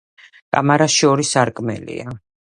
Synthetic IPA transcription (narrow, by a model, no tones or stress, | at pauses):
kʼa̰maɾasʃɔɾisaɾkʼmɛlḭa